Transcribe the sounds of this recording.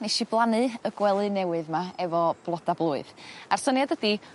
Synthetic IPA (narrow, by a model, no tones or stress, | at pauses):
neʃiblˠanɨəɡwɛlˠɨnɛwɨðmaɛvɔb̥lˠɔdablˠuːɨðarsənjadədi